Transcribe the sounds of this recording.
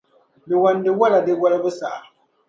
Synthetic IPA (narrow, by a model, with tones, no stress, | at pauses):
bɪ˨wa˨n˦dɪ˨wa˦la˨dɪ˦wa˦lbʊ˦sa̰˨a˨